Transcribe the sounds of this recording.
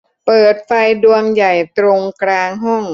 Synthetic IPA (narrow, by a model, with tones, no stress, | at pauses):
pɤː˨˩t̪̚fa˧jdu˧əŋja˨˩jt̪ɾo˧ŋkɾaː˧ŋɦɔ˥˩ŋ